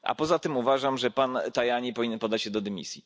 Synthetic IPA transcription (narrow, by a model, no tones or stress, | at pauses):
ʔa̰pɔzat̪ɘmuvaʐamʐɛpant̪ajaɲipɔvʲiɲɛnpɔd̪ːat͡ɕɕɛd̪ɔd̪ɛmʲḭsʲji